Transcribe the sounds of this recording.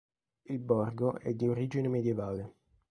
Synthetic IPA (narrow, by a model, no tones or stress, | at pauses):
ilbɔrɡoɛ̰d̪ːioɾiːd͡ʒinemed̪jevaːle